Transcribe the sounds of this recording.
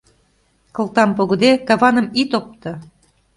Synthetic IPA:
kɤ̆lˠt̪ɑmpoɣɤ̆d̪ekɑβɑnə̆mit̪op̚t̪ɤ̆

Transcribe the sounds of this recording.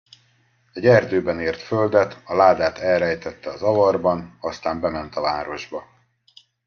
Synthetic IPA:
ɛɟɛrd̪øːbɛneːrt̪føld̪ɛt̪ɒlaːd̪aːt̪ɛlɾɛjt̪ɛt̪ːɛɒzɒvɒrbɒnɒst̪aːmbɛmɛnt̪ɒvaːɾo̞ʒbɒ

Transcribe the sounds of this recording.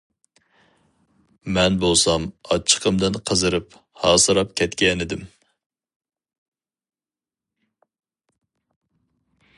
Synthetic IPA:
mɛnbolˠsɑmɑt͡ʃʰːə̥qʰəmd̪ɪnqʰəzɨɾɨp | hɑːsɨɾɑp̚kʲʰɛt̪kʲɛnɪd̪ɪm

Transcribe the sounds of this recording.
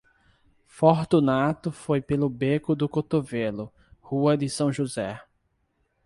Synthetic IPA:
foɾt̪unat̪ʊfojpelʊbekʊd̪ʊkot̪ovelʊ | huɐd̪ɪsɐ̃w̃ʒuzɛ

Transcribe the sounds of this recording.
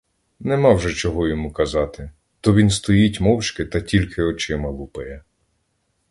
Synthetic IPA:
nɛmɑwʒɛt͡ʃɔɦɔjɔmukɐzɑt̪ɪ | t̪ɔʋʲinst̪ɔjitʲmɔwt͡ʃkɪt̪ɐtʲilʲkʰɪɔt͡ʃɪmɐlˠupɐjɛ

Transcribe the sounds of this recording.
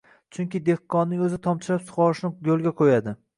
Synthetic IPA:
t͡ʃʰʊŋkʲɪd̪ehːɒnːɪŋɵzɪt̪ʰɒmt͡ʃʰɪɾapsʊ̥χɒɾɪʃnɪjolˠɡʲaqʰojad̪ɪ

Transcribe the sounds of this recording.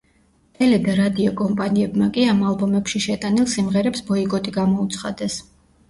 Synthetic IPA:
t̪ʼɛlɛd̪aɾad̪iɔkʼɔmpʼaniɛbmakʼiamalˠbɔmɛpʃiʃɛt̪ʼanilˠsimʁɛɾɛpsbɔiɡʼɔt̪ʼiɡamɔut̪sʰχad̪ɛs

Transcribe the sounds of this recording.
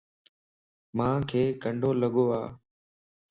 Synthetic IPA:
mãːkʰeːkəɳɖʱoːləɠoːaː

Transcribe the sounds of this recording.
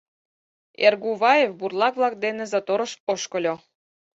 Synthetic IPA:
erɡuβɑjefburlˠɑkβlˠɑk̚d̪enĕzot̪oɾə̆ʃoʃkɤ̆lʲo

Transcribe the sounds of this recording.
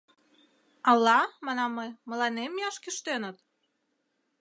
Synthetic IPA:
ɑlːɑmɑnɑmːəjmə̆lɑnemjɑʃkyʃt̪enət̪

